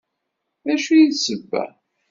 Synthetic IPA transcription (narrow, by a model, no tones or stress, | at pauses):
æʃujisəbːæ̰